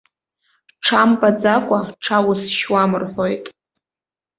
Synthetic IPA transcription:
ʈ͡ʂʰampʼad͡zakʷʼaʈ͡ʂʰawʊsʃwamɨrħʷojtʼ

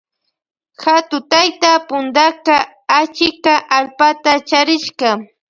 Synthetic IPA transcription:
xat̪ʊt̪ajt̪apʊnd̪akaː | t͡ʃɪkaʔalpat̪at͡ʃaɾɪʃkɑ

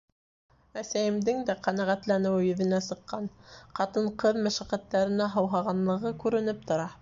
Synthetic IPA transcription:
æsæjɘ̆md̪ɘŋd̪æqænæʁæt̪lænɘ̆wɘjɵ̆ðɘ̆næsɤ̆qːɑnqɑt̪ɤɴqɤðmæʃæqæt̪ːæɾɘ̆næɦɤ̆wɦɑʁɑnlˠɤ̆ʁɤkʉɾɘ̆nɘp̚t̪ŏɾɑ

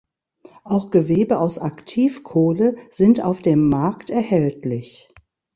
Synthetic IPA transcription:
ʔaʊxɡ̥əveːbəʔaʊsaktʰiːfkʰoːləz̥ɪnta̰ʊfd̥eːmːaɐktɛɐhɛltlɪç

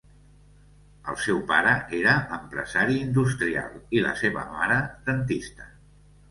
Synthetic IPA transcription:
əlˠsɛwpaɾəʔeɾəəmpɾə̰zaɾiind̪ust̪ɾia̰lˠilə̰seβə̰maɾəd̪̥ənt̪ist̪ə̥

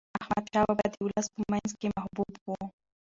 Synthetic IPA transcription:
ahmad̪ʃawabad̪ilaspəmanzkemahbubwu

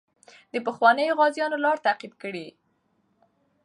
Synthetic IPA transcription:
d̪əpəxwɑnəjoɣɑzjɑnolɑɾt̪aqid̪kəɽi

